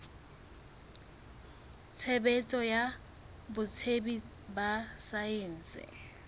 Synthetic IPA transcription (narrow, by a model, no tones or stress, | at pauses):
t͡sʰɛbɛt͡sʼɔja | bʊt͡sʰebi | basajen̩sɪ̰